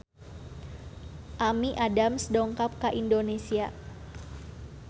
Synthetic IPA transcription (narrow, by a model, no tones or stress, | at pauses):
ʔamiʔadamsdɔŋkap̚kaʔindonesia